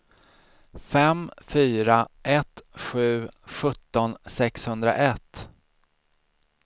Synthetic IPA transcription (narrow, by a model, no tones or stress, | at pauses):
fɛmfyːɾaʔɛt̪ɧʉ̟ːɧɵt̪ːɔnsɛkshɵnd̪ɾa̰ʔɛt̪ː